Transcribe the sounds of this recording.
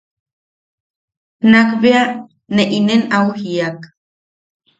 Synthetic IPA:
nakbea | neʔinenawhiak

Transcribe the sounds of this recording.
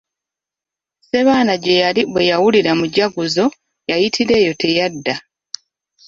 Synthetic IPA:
se̞βaːnaɟe̞jaliβwe̞jawuliɾamuɟaɡuzo̞ | jajitʰiɾe̞ːjo̞tʰe̞jadːa

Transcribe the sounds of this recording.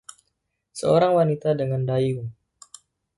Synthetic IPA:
səoɾaŋwanit̪adəŋandajuŋ

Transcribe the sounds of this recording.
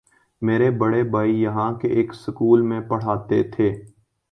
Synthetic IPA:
meːɾebəɽebaːijɐɦãkeʔeːksʊkuːlmẽpɐɽ̤aːt̪et̪ʰeː

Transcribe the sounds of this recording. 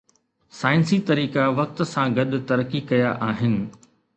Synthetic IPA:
saːɪnsit̪ɐɾiːkaʋɐk̚t̪̆sãɡɐɗ̆t̪ɐɾkikɐjaʔaːɦɪnɪ̆

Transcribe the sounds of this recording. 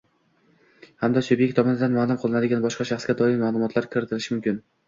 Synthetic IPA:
hamd̪asʊbjekʲt̪ʰɒmɒnɪd̪anmalˠʊmqʰɨlˠɪnad̪ɪɡʲanbɒʃqɑʃɑχsɡʲad̪ɒɪmmaːlˠʊmɒt̪ʰlaɾkʲʰɪɾɪt̪ʰɪlɪʃɪmʊmkʲɪn

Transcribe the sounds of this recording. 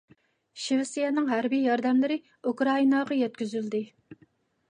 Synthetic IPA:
ʃivɪsijɛnɨŋɦæɾbijjɑɾd̪ɛmlɪɾɪ | ukɾɑinɑʁɑjɛt̪̚kʲyzyld̪ɪ

